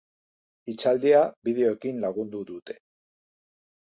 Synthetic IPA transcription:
it͡ʃald̪iaβið̞e̞o̞ekinlaɣund̪uðut̪e̞̥

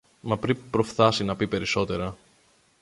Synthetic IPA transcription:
mɐpɾipɾo̞fθɐsinɐpipe̞ɾiso̞t̪e̞ɾɐ

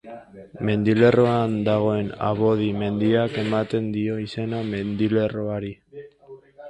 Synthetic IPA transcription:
me̞nd̪ile̞roand̪aɣ̞o̞e̞na̰βo̞ðime̞nd̪iake̞mat̪e̞nd̪io̞ise̞name̞nd̪ile̞roaɾi

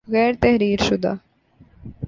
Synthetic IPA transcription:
ɣɛːɾt̪ɛɦɾiːɾʃʊd̪a̰

